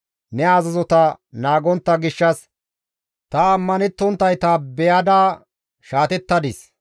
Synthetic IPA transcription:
nɛazɐzɔt̪ɐ | naːɡɔnt̪ːɐɡɪʃːɐs | t̪ɐːmːɐnɛt̪ːɔnt̪ːɐjt̪aːbɛjɐd̪aː | ʃaːt̪ɛt̪ːɐd̪ɪs

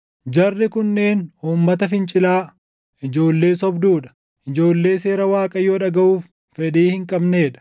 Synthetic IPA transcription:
d͡ʒɐrːɪkʊnːe̞ːnuːmːɐt̪ɐfɪnt͡ʃʼɪlaː | ʔɪd͡ʒo̞ːlːe̞ːsɔbd̪uːᶑɐ̥ | ʔɪd͡ʒo̞ːlːe̞ːse̞ːɾɐwaːkʼɐjːoːᶑɐɡɐʔuːfː | ɛᶑ̪iːhɪŋkʼɐbne̞ːᶑɐ̥

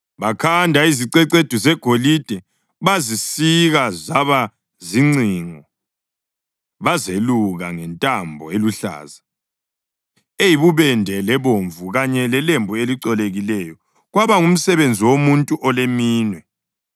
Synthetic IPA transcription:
βakʰandʱaiziǀɛǀed̥ʱuzɛɡ̥ʱolid̥ʱɛ | βazisiɣazaβa | ziŋ͡ǀiŋɔ | βazeluɣaŋɛntʼambʱɔ̰eluɬa̰ːza | ejiβuβɛndʱɛlɛβoɱvuɣaɲɛlɛlembʱueliǀɔleɣilɛjɔ | ɣwaβaŋum̩sɛβend͡zʱiwomuntʼuʔɔlemiːnwɛ

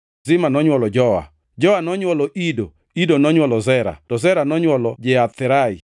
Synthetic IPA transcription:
zɪmanɔɲwɔlɔd͡ʒɔwa̰ | d͡ʒɔwanɔɲwɔlɔʔido | idonɔɲwɔlɔzɛɾa̰tɔzɛɾanɔɲwɔlɔd͡ʒɛat̪ːɪɾaḭ

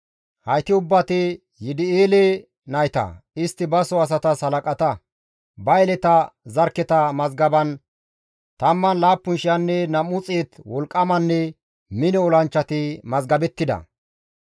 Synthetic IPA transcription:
hɐjt̪ɪʊbːɐt̪ɪ | jɪd̪ɪeːle | nɐjt̪ɐ̰ɪst̪ːɪbɐsɔɐs̬ɐt̪ɐsɐlɐkʼɐt̪ɐ | bɐjɛlɛt̪ɐzɐɾkːɛt̪ɐmɐzɡɐbɐn | t̪ɐmːɐnlaːpːʊnʃɪjɐnːɛnɐmʊt͡sʼeːt̪wɔlkʼːɐmɐnːɛ | mɪnɛɔlɐnt͡ʃːɐt̪ɪmɐzɡɐbɛt̪ːɪd̪ɐ̰

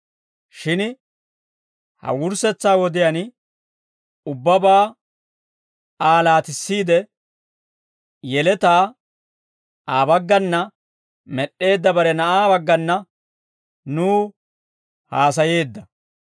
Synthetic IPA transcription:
ʃɪn | hɐ̰wʊɾsɛt͡sːaːwɔd̪ɪjan | ʊbːɐbaː | aːlaːt̪ɪsːiːd̪ɛ | jɛlɛt̪aː | aːbɐɡːɐnːɐ | mɛɗːe̞ːd̪ːɐbɐɾɛnɐʔaːbɐɡːɐnːɐ | nuː | haːs̬ɐje̞ːd̪ːɐ

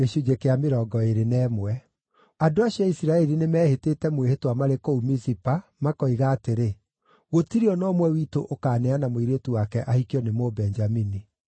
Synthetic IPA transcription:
eɕud͡ʒekeameɾɔːɡɔeɾenɛːmwɛ | adoaɕiɔisiɾaɛɾinemɛːhetetɛmwehetwamaɾekoumisipamakɔiɣaːteɾe | ɣotiɾeɔnɔmwɛwitoʔokaːnɛanamoiɾetuwakɛʔahikiɔnemobɛɲd͡ʒamini

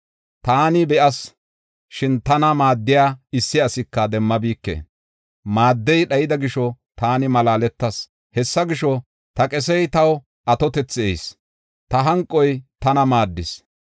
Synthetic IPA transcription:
t̪aːnɪbɛʔɐs | ʃɪnt̪ɐnɐmaːd̪ːɪjaːɪsːɪɐsɪkːɐd̪ɛmːɐbiːkːḛː | maːd̪ːɛjɗɐjɪd̪ɐɡɪʃɔ | t̪aːnɪmɐlaːlɛt̪ːɐs | hɛsːɐɡɪʃɔ | t̪ɐkʼɛs̬ɛjt̪ɐw | ʔɐt̪ɔt̪ɛt͡sːɪɛ̰js | t̪ɐɦɐŋkʼːɔjt̪ɐnɐmaːd̪ːɪs

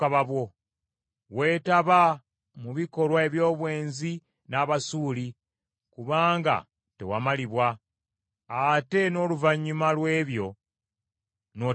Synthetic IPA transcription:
aβaβwo̞ | we̞ːtaβa | muβiko̞lwae̞βjo̞ːβwe̞ːnzi | naβasuːli | kuβaːŋɡa̰ | te̞̰wamaliβwa | ate̞no̞ːluvaɲːumalwe̞ːβjo̞ | no

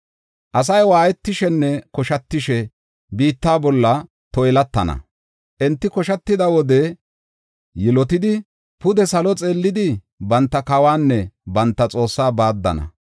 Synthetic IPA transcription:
ʔɐs̬ɐjwaːjɛt̪ːɪʃɛnːɛkɔʃɐt̪ːɪʃɛ | biːt̪ːaːbɔlːɐ | t̪ɔjlɐt̪ːɐnɐ̰ | ʔɛnt̪ːɪkɔʃɐt̪ːɪd̪ɐwɔd̪ɛ | jɪlɔt̪ɪd̪ɪ | pʊd̪ɛsɐlɔt͡sʼe̞ːlːɪd̪ɪ | bɐnt̪ːɐkɐwaːnːɛbɐnt̪ːɐt͡sʼo̞ːsːaːbaːd̪ːɐ̰nɐ̰

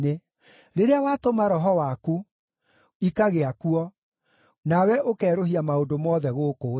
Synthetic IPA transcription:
e | ɾeɾeawatomaɾɔɦɔwaku | ikaɣeakuɔ | nawɛʔokɛːɾoɦiamaondomɔːðɛɣoːkoː

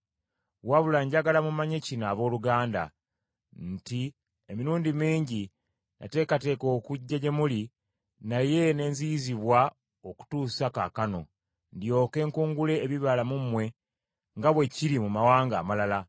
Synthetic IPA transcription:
waβulaɲɟaɡalamumaɲe̞cinaːβo̞ːluɡaːnda̰ | nti | emiɾuːndimiːɲɟi | na̰te̞ːkate̞ːko̞ːkuɟːaɟe̞muli | naje̞ne̞ːnziziβwa | oku̥tuːsaka̰kano̞ | ndjo̞ːke̞ːŋkuːŋɡule̞ːβiβalamumwe̞ | ŋɡaβwe̞ciɾimumawaːŋɡaːmalala

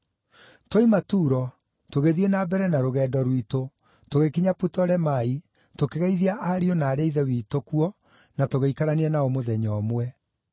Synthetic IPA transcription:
toimatuːɾɔ | toɣeðienabɛɾɛnaɾoɣɛːdɔɾwito | toɣekiɲaputɔɾɛmai | tokeɣaiðiaʔaɾiɔnaːɾeiðɛwiːtokuɔ | natoɣeikaɾaniɛnaɔmoðɛɲɔmwɛ

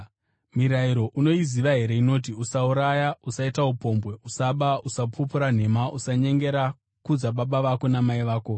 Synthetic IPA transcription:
miɾaiɾo̞ʔuno̞iziʋaɦe̞ɾe̞ino̞t̬iusauɾajausaitaupo̞mbwe̞usaɓausapʰupuɾan̤e̞maʔusaɲe̞ŋɡe̞ɾa | kud͡zaɓaɓaʋako̞namaiʋaːko̞

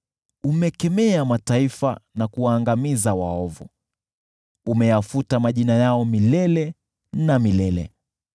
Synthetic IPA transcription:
umɛkɛmɛamataifa̰nakuwaːŋɡamizawa̰ɔvṵ | umɛjafutamaʄinajaɔmilɛlɛ | namilɛlɛ̰

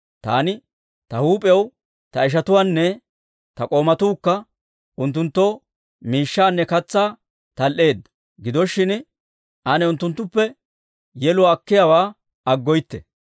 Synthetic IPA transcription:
t̪a̰ːnɪ | t̪ɐhuːpʼɛw | t̪ɐɪʃ̬ɐt̪ʊwaːnːɛ | t̪ɐkʼo̞ːmɐt̪uːkːɐ | ʊnt̪ːʊnt̪ːoː | miːʃːaːnːɛkɐt͡sːaː | t̪ɐlʔe̞ːd̪ːɐ̥ | ɡɪd̪ɔʃːɪn | ʔɐnɛʊnt̪ːʊnt̪ːʊpːɛ | jɛlʊwaːkːɪjawaː | ɐɡːɔjt̪ːɛ̰

